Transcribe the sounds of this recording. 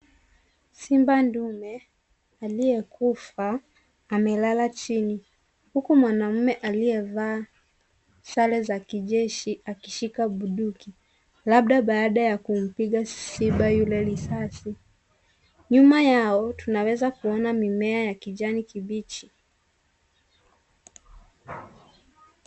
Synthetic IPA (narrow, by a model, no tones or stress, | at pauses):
simbandumɛ | aliɛkufaː | mɛlalat͡ʃini | hukumwanam̩mɛʔaliɛvaː | salɛzakiʄɛʃiakiʃikaɓuɗuki | laɓɗaɓaːɗajakum̩piɠasiɓajulɛlisasi | ɲumajaɔtunawɛzakuɔnamimɛajakiʄanikiɓit͡ʃi̥